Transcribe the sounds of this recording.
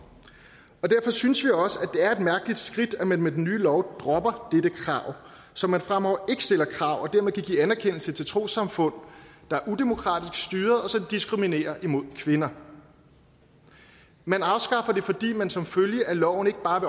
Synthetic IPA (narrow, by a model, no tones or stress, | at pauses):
ɒ̽d̥æɐfɒ̽synəsʋiɒ̽səæd̥e̝æɐe̝d̥mæɐɡ̥əlid̥sɡ̥ʁid̥æmænmed̥enːyːlɒʊd̥ʁɒ̽b̥ɐd̥ed̥əkʰʁɑ̈ʊ̰ | sɒ̽mːænfʁamɒ̰e̝ɡ̥ə̥sd̥e̝l̰ɐkʰʁɑ̈ʊ̰ɒ̽d̥æɐmeðˠkʰæɡ̥ḭːænæɐkʰen̰l̩sət͡sʰe̝lt͡sʰʁo̝̰ːsɑ̈mfɔ̽n̰d̥ɑ̈æɐʔud̥emo̝kʰʁɑ̰̈ːd̥isɡ̥sd̥yːɐð̩ˠɒ̽sɒ̽d̥isɡ̥ʁimine̝̰ːɐʔimo̝ð̰ˠkʰʋe̝nɐ | mænɑ̈ʊsɡ̥ɑ̈fɐd̥e̝fɒ̽d̥ḭːmænsɒ̽mføljəʔælɒʊ̰n̩e̝ɡ̥əb̥ɑ̈ːʋe̝